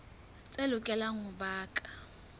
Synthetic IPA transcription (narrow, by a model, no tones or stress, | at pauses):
t͡sʼelʊkʼɛlaŋʊbaːkʼḁ